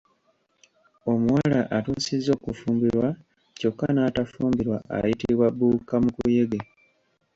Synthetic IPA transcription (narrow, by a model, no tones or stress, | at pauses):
o̞muwalaʔatuːsizːo̞ːkufuːmbiɾwa | co̞kːanaːtafuːmbiɾwaʔa̰jitiβwabuːkamukuje̞ɡe